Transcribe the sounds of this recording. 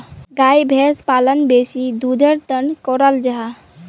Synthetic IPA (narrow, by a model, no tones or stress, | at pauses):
ɡajbʱespalənbesid̪ud̪ʱəɾt̪ənkɔɾəld͡ʒaɦa